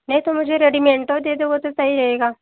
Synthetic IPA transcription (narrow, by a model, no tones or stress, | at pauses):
nɐɦĩt̪omʊd͡ʒʱeɾeɖimẽɳʈod̪eːd̪oɡot̪osəɦiɾɐɦeːɡaː